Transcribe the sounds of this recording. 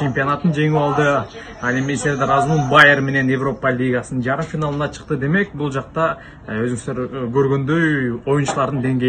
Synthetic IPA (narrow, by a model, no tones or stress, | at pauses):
t͡ʃʰe̞mpʲio̞nɑt̪ənd͡ʒe̞ŋyɑlˠd̪ə | ɑnemeseɾd̪ɾɑzmulˠbajeɾme̞ne̞nje̞vro̞pəlʲijɡasənənʒɑɾəmfʲinalˠənɑt͡ʃʰə̥qt̪əd̪e̞me̞k̚bulˠʒɑq̚t̪ɑ | øzɡst̪øɾkʰøɾɡʲø̞nd̪øjo̞junʃəlˠɑɾd̪ənd̪e̞ŋɡʲe